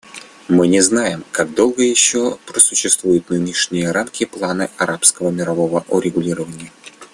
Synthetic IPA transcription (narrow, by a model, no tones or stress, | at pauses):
mɨnʲɪznajɪmkaɡ̚d̪o̞lˠɡəjɪɕːopɾəsʊɕːɪst̪vujʊt̪nɨnʲɪʂnʲɪjəɾamkʲɪplˠanɨʔɐɾʔapskəvəmʲɪɾɐvo̞vəʔʊɾʲɪɡʊlʲiɾəvənʲɪjə